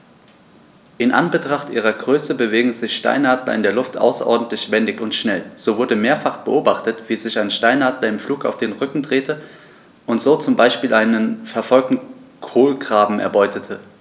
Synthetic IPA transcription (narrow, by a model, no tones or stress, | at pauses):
ʔɪnʔa̰nbətʁ̥aχtʔiːʁ̞ɐɡʁøːsəbəveːɡŋ̩zɪçʃta̰ɪnaːdlɐ̰ɪndeːɐlʊftʔa̰ʊsɐ̰ʔɔɐdn̩tlɪçv̥ɛndɪçʊntʃnɛlz̥oːvʊɐdəmeːɐfaχb̥əʔoːbaχtətv̥iːzɪçaɪnʃtaɪnaːdlɐɪmfluːka̰ʊfd̥eːnʁʏkŋ̩dʁeːtʰə | ʔʊntz̥oːt͡sʊmbaɪʃpiːlʔaɪnənfɛɐfɔlk̚tn̩kʰoːlɡʁaːbm̩ʔɛ̰ɐbɔʏtʰətʰə